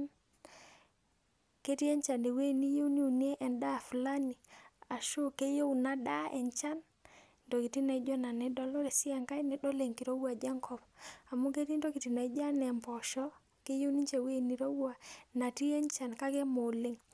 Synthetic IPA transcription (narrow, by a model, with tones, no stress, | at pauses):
ke˦ti˦e˦ɲt͡ʃa˨nde˨we˦˨ni˦jo˦ni˦u˨ni˦e˦ʔɛ˨nda˦˨fla˦ni˨a˨ʃo˦ke˦jo˦wna˦da˦ɛ̰˨nt͡ʃa˦n | ndo˨ki˨ti˦na˨i˦d͡ʒɔ˦na˨nɛ˨˦dɔ˦lɔ˦ɾe˨sɪ˦a˨ŋka˦jnɛ˦dɔ˦le˨ŋki˨ɾo˦wa˨d͡ʒa˦ŋkʰɔ˨ba˨mu˦ke˦ɾi˦ndo˦ki˨ti˨na˨i˦d͡ʒa˦nɛ˨mpɔ˨ʃɔ˦ | ke˦jo˦ni˦ɲt͡ʃe˨we˦˨ni˨ɾo˦wwa˨na˨ti˦e˦nt͡ʃa˨nka˦ke˦mo˨le˦ŋ